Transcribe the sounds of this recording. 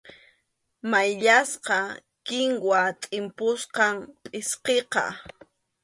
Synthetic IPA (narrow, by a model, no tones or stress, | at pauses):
majʎasqɑ | kɪŋwat̪ʼɪmpʊsqɑŋpʼɪsqeqɑ̰